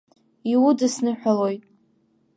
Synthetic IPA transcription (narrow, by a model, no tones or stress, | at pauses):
iwudɨsnɨħʷᶣalojtʼ